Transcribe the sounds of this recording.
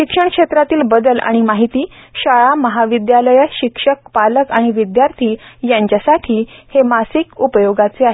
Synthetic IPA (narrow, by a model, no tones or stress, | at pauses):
ɕikʂəɳkʂet̪ɾat̪iːlbəd̪əlʔa̰ɽ̃imaɦit̪iːɕaɭaməɦaʋid̪jaləjəɕikʂək̚paləkaɽ̃iʋid̪jaɾt̪ʰiːjaɲt͡ɕasaʈʰiːhemasikupəjoɡat͡seaɦe